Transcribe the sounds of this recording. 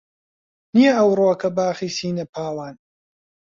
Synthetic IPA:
nijɐɐwɾoːɐkʰɐbaːxiːsiːnɐpʰaːwaːn

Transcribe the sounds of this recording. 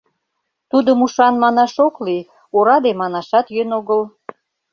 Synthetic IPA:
t̪ud̪əmuʃɑnmɑnɑʃokli | oɾɑd̪emɑnɑʃɑt̪jønoɣəl

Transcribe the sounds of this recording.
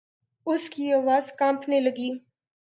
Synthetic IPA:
ʊskiaːʋaːzkãːmpʰneləɡiː

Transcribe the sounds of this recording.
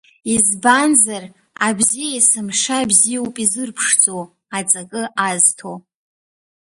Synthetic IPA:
izbanzar | a̰bzijaisɨmʂabzijowpʼizɨrpʰʂt͡sʼow | at͡sʼakʼɨʔaztʰow

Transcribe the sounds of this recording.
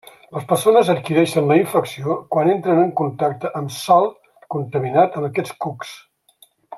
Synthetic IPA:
ləspərsonəzət̪̚kiɾɛʃənləiɱfəksiokwanent̪ɾənəŋkunt̪ak̚t̪əʔəmsalˠ | kunt̪əminat̪əməkɛt͡skuks

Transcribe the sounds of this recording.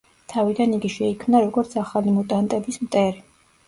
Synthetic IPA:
t̪ʰavid̪aniɡiʃɛikʰmnaɾɔɡɔɾt̪sʰaχalimɔt̪ʼant̪ʼɛbismt̪ʼɛɾi

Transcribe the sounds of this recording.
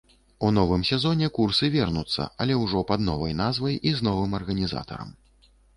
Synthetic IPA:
un̪ɔvɨmsʲɛzɔnʲɛkursɨvʲɛrnut̪sːɐ̰ɐlʲɛwʐɔpɐd̪nɔvɐjnazvɐjiznɔvɨmɐrɣɐnʲiza̰t̪ɐ̰ɾɐ̰m

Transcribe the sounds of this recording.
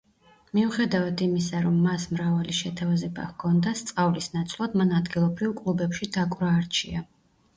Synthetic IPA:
miuχɛd̪avad̪imisaɾɔmːasmɾavaliʃɛt̪ʰavazɛba̰hkʰɔnd̪ast̪sʼqʼavlisnat̪sʰlˠad̪manad̪ɡilˠɔbɾivkʼlˠubɛpʃid̪akʼvɾaːɾt͡ʃʰia

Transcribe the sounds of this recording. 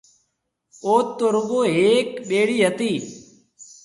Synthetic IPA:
oːt̪ːoːɾʊɠoːɦeːkɓeːɽiːɦət̪iː

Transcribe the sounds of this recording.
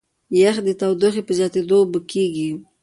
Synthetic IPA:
jaxd̪ət̪awd̪əxepəzjɑt̪ed̪obəkeɡi

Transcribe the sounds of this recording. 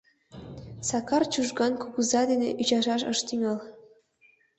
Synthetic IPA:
sɑkɑrt͡ɕuʒɡɑnkuɣuzɑd̪eneʔyt͡ɕɑʒɑʃɤ̰ʃt̪yŋʲɤl

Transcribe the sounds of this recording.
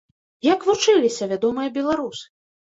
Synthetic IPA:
jɐkvut͡ʂɨlʲisʲɐvʲad̪ɔmɨjɐbʲɛlˠaɾusɨ̥

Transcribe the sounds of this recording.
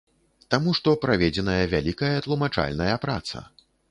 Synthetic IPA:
t̪amuʂt̪ɔpɾavʲɛd͡zʲɛnɐjɐvʲalʲikɐjɐt̪lˠumat͡ʂa̰lʲnɐjɐpɾa̰t̪sɐ̰

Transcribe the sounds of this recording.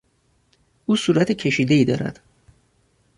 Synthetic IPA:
ʔuːsuːɾæt̪ʰecʰe̞ʃiːd̪e̞iːd̪ɒ̰ːɾæ̰d̪̥

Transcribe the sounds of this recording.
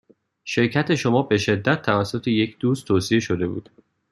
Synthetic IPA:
ʃe̞ɾcʰæt̪ʰe̞ʃo̞mɒːbe̞ʃe̞d̪ːæt̪̚ʰːævæsːot̪ʰe̞jecʰd̪̥uːst̪ʰoːsie̞ʃo̞d̪e̞bṵːd̪̥

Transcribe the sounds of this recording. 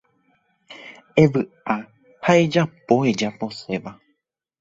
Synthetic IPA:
ẽ̞ʋɨ | a | hae̞d͡ʒapo̞ed͡ʒapo̞se̞ʋa

